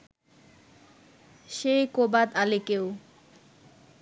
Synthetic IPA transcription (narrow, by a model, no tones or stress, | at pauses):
ʃejkobad̪alekew